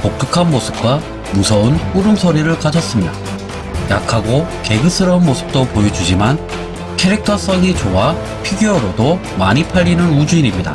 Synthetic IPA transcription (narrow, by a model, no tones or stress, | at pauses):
pok̚t͈ʰɯkʰanmosʰɯ̥p̚k͈wa | musʰʌunp͈uɾɯmsʰʌɾiɾɯɭkad͡ʑʰʌs͈ɯmɲida̰ | jakʰaɡoke̞ɡɯs͈ʰɯɾʌunmosʰɯ̥p̚t͈opojʌd͡ʑud͡ʑiman | kʰeɾik̚tʰʌs͈ʌŋit͡ɕowa | pʰiɡjoɾodomaɲipʰaʎːinɯnud͡ʑuinimɲida̰